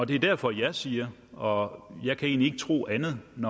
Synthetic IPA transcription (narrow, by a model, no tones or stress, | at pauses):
ɒ̽d̥e̝æɐd̥æɐfɒ̽jɑ̈ɪsiːɐ | ɒ̽jɑ̈ɪkʰæe̝̰ːnlie̝ɡ̥ət͡sʰʁo̝̰ːænð̞̩ˠnɒ